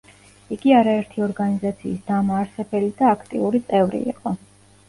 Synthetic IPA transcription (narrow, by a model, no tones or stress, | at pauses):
iɡiaɾaɛɾt̪ʰiɔɾɡanizat̪sʰiːsd̪amaːɾsɛbɛlid̪aːkʰt̪ʼḭuɾit̪sʼɛvɾḭḭqʼɔ